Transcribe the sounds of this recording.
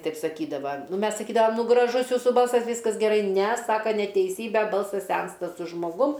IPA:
ˈtɐɪp sɐˈkʲiːdɐʋɐ ˈmʲɛs sɐˈkʲiːdɐʋɐm ˈnʊ ɡrɐˈʒʊs ˈjuːsuː ˈbɐlˠsɐs ˈʋʲiːskɐs ɡʲɛˈrɐɪ ˈnʲɛ ˈsɑːkɐ nʲɛtʲɛɪˈsʲiːbʲɛ ˈbɐlˠsɐs ˈsʲɛnstɐ sʊ ʒmoːˈɡʊm

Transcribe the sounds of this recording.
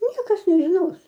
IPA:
ˈnʲiɛkɐs nʲɛʒʲɪˈnoːs

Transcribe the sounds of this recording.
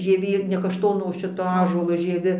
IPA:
ʒʲiɛˈʋʲeː nʲɛ kɐʃˈtoːnoː oː ˈʃʲɪtoː ˈɑːʒuɔlˠoː ʒʲiɛˈʋʲɪ

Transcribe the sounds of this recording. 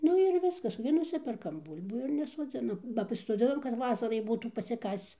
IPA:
ˈnʊ ɪr ˈʋʲɪskɐs ɡʲɪ ˈnʊsʲɪpʲɛrkɐm ˈbuːlʲbuː ɪr nʲɛsoːˈd͡zʲɪnɐm bɐ pɐsʲɪsoːˈd͡zʲɪnɐm kɐt ˈʋɑːsɐrɐɪ ˈbuːtuː pɐsʲɪˈkɐst͡s

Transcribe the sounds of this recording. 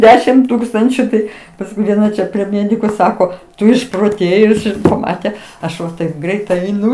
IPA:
ˈdʲæːʃʲɪm ˈtuːkstɐnʲt͡ʃʲʊ ˈtɐɪ pɐsˈkʊɪ ʋʲiɛˈnɐ t͡ʃʲɛ pʲrʲiɛ ˈmʲeːdʲɪkʊ ˈsɑːkoː ˈtʊ ɪʃproːˈtʲeːjʊs ɪr pɐˈmɑːtʲɛ ˈɐʃ ʋɐ tɐɪp ˈɡrʲɛɪt ɛɪˈnʊ

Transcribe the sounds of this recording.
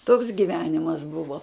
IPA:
toːks ɡʲiːˈʋʲæːnʲɪmɐs ˈbʊʋoː

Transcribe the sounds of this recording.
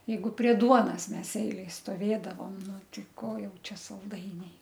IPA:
jɛɪˈɡʊ pʲrʲiɛ ˈduɔnɐs ˈmʲɛs ˈɛɪlʲɛj stoːˈʋʲeːdɐʋoːm ˈnʊ ˈtʲɪ ˈkoː ˈjɛʊ ˈt͡ʃʲɛ sɐlˠˈdɐɪnʲɛɪ

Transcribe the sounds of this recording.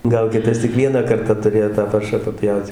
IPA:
ˈɡɐlˠ ˈkʲɪtɐs tʲɪk ˈʋʲiɛnɑː ˈkɐrtɐ tʊˈrʲeːjoː tɑː ˈpɐrʃɑː pɐˈpʲjɛʊt

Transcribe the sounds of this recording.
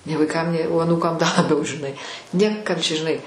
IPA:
nʲeː ʋɐɪˈkɐm nʲeː oː ɐˈnuːkɐm dɐ lˠɐˈbʲɛʊ ʒʲɪˈnɐɪ ˈnʲeːkɐm ˈt͡ʃʲɛ ʒʲɪˈnɐɪ

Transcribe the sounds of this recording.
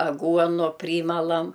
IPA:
ɐˈɡuɔnʊ ˈpʲrʲiːmɐlˠɐm

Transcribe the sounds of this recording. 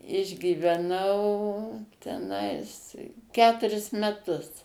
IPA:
ɪʒʲɡʲiːʋʲɛˈnɐʊ tʲɛˈnɐɪs ˈkʲæːtʊrʲɪs mʲɛˈtʊs

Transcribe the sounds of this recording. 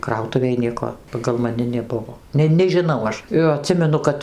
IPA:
ˈkrɐʊtʊʋʲeːj ˈnʲiɛkoː pɐɡɐlˠ mɐˈnʲɪ nʲɛˈbʊʋoː ˈnʲɛ nʲɛʒʲɪˈnɐʊ ˈɐʃ joː ɐˈtʲsʲɪmʲɛnʊ ˈkɐt

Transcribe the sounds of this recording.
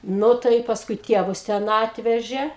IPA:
ˈnʊ tɐɪ ɪ pɐsˈkʊɪ ˈtʲiɛʋʊs ˈtʲɛn ˈɑːtʲʋʲɛʒʲeː

